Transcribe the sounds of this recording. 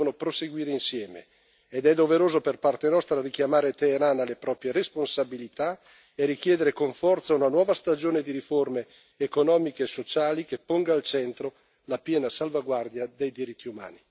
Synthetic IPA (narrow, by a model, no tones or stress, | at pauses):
onopɾoseɡwiːɾeinsjɛːmḛː | d̪ɛd̪oveɾoːzoperpart̪enɔst̪ɾarikjamaːɾet̪eːɾanalepɾɔːpɾjeɾesponsabilit̪a | eɾik̟jɛːd̪eɾekoɱfɔrt̪saunanwɔːvast̪ad͡ʒoːned̪iɾiformeː | konɔːmikeːsːot͡ʃaːlikepːoŋɡaːlt͡ʃɛnt̪ɾo | lapjɛːnasalvaɡward̪jad̪ejd̪iɾit̪ːiuma̰ːni